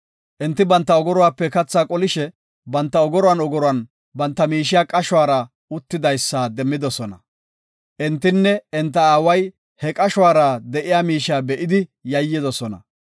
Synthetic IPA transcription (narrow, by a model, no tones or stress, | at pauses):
ʔɛnt̪ːɪbɐnt̪ːɐɔɡɔɾɔwaːpːɛkɐt͡sːaːkʼɔlɪʃɛ | bɐnt̪ːɐɔɡɔɾɔwanɔɡɔɾɔɐn | bɐnt̪ːɐmiːʃɪjaːkʼɐʃwaːɾɐ | ʊt̪ːɪd̪ɐjsːaːd̪ɛmːɪd̪ɔsɔnɐ̰ | ʔɛnt̪ːɪnːɛɛnt̪̬ːɐaːwɐj | hɛkʼɐʃwaːɾɐd̪ɛʔɪjaːmiːʃaːbɛʔɪd̪ɪjɐjːɪd̪ɔsɔnɐ̰